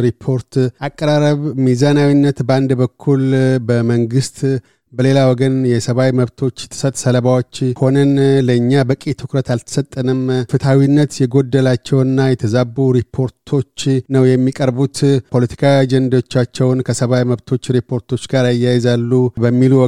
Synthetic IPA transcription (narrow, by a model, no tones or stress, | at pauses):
ɾipʰːo̞ɾt̪ʔakʼːəɾaɾəβmizanawinːət̪bəand̪bəkʰːulbəməŋɡɨst̪ | bəle̞lawɔɡənjɛsəβawjməβt̪ʰo̞t͡ʃːɛt̪ʰːə̥sət̪ʼsələβawo̞t͡ʃːho̞nənləɨɲːabəkʼet̪ʰɨkɾət̪alt̪ʰə̥sət̪ʼːənɨmfɨt̪ʰawinːət̪jɛɡo̞d̪ːəlat͡ʃːɛwɨnːajɛt̪ʰəzabːuɾipʰːo̞ɾt̪ʰo̞t͡ʃːnəwjɛmːikʼəɾbut̪pʰo̞lət̪ʰi̥kʰaad͡ʒɛnd̪aot͡ʃːat͡ʃːɛwnkʰəsəβawjməβt̪ʰo̞t͡ʃːɾipʰo̞ɾt̪ʰo̞t͡ʃːɡaɾajːajɛzalːubəmːiluw